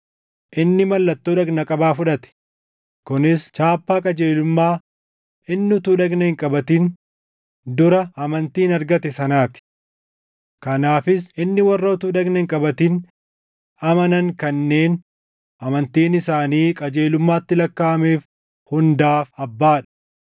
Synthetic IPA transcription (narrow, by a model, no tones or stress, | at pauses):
ʔɪnːɪmɐlːɐt̪ːoːᶑɐɡnɐkʼɐbaːfʊᶑɐt̪ɛ̥ | kʊnɪst͡ʃaːpːaːkʼɐd͡ʒeːlʊmːaː | ɪnːɪʊt̪uːᶑɐɡnɐhɪŋkʼɐbɐt̪in | d̪ʊɾɐɐmɐnt̪iːnɐɾɡɐt̪ɛsɐnaːt̪ɪ̥ | kɐnaːfɪs̬ɪnːɪwɐrːɐʊt̪uːᶑɐɡnɐhɪŋkʼɐbɐt̪ɪn | ɐmɐnɐŋkɐnːe̞ːn | ʔɐmɐnt̪iːnɪsaːniːkʼɐd͡ʒe̞ːlʊmːaːt̪ːɪlɐkːaːɐmeːf | hʊnd̪aːfɐbːaːᶑɐ̥